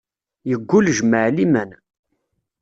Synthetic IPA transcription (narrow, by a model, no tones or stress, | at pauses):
jəɡʷːulʒməʕlimæn